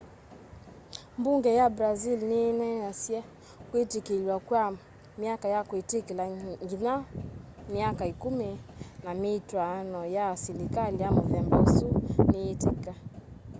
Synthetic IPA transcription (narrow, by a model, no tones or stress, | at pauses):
mbuŋɡɛjabɾazilninanasiɛ | kuitikilwakwa | miakajakuitikilaŋɡina | miakaikuminamitwanɔjaːsilikaliamɔvɛmbɔsuniːtika